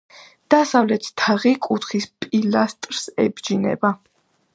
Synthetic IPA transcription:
d̪̥asavlɛt̪ʰt̪ʰːaʁikʼut̪ʰχispʼilast̪ʼɾsɛbd͡ʒinɛ̰ba

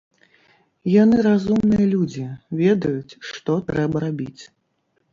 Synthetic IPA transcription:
janɨɾazumnɨjɐlʲud͡zʲivʲɛd̪ɐjut͡sʲʂt̪ɔt̪ɾɛbɐɾabʲit͡sʲ

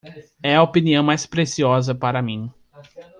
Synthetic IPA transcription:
ɛɐopiniɐ̃w̃majspɾesiɔzɐpaɾɐmĩ

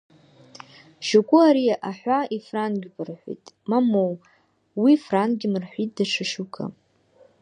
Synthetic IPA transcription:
ʃukʷʼuaɾiaʔaħʷaifranɡʲbʰʼɨrħʷḭtʼ | mamow | wifranɡʲɪmɨrħʷitʼdaʈ͡ʂʰaʂukʰa̰

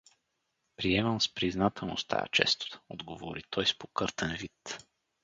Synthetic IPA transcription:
pɾiɛməmspɾiznat̪ʰɛlˠno̰st̪ʰa̰j̰t͡ʃɛ̰st̪o̥t̪ɔd̪ɡovoɾit̪ʰɔjspokɤɾt̪ɛnvit̪

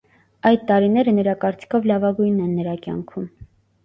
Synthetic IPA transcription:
ɑjd̪̚t̪ɑɾinɛɾənəɾɑkɑɾt͡si̥kʰɔvlɑvɑɡujnːɛnːəɾɑkjɑ̰ŋkʰum

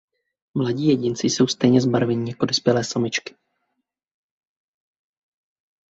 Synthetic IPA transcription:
mlaɟiːjɛɟɪnt͡sɪso̞wst̪ɛjɲɛzbaɾvɛɲiːjakodospjɛlɛːsomɪt͡ʃkɪ̥

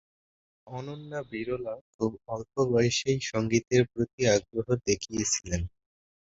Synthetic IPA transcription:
ɔnonːabiɾolakʰubɔlpʰobɔjeʃejʃɔŋɡit̪eɾpɾot̪iaɡɾoɦod̪ekʰijet͡ɕʰilen

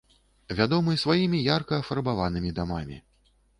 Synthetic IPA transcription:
vʲad̪ɔmɨsvajimʲijarkɐːfarbavan̪ɨmʲid̪amamʲḭ

